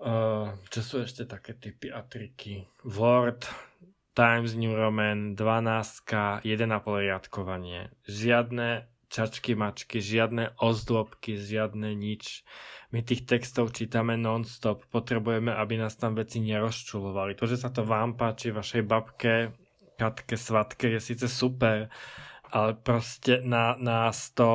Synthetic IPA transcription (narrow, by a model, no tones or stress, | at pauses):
t͡ʃɔsuɛʃcɛt̪akɛːt̪ipiat̪ɾikiʋɔɾt̪ː | ajmzɲuɾɔmɛnd̪ʋanaːst̪kajɛd̪ɛnapɔlɾɪjat̪kɔʋaɲɪɛ̰ | ʒɪad̪nɛ | t͡ʃat͡ʃkimat͡ʃkiʒɪad̪nɛʔɔzd̪lɔpkiʒɪad̪nɛɲit͡ʃmit̪iːxt̪ɛkst̪ɔʊt͡ʃiːt̪amɛnɔnst̪ɔppɔt̪ɾɛbujɛmɛʔabinaːst̪amʋɛt͡siɲɛɾɔst͡ʃulɔʋalit̪ɔʒɛsat̪ɔʋaːmpaːt͡ʃivʋaʃɛjbapkɛ | kat̪kɛsʋat̪kɛjɛsiːt͡sɛsupɛɾʔalɛpɾɔscɛnanaːst̪ɔ